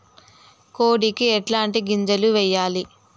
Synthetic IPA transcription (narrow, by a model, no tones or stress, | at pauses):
koːɽikiɛʈlaːɳʈiɡiɲd͡ʒɐluʋɛjːaːli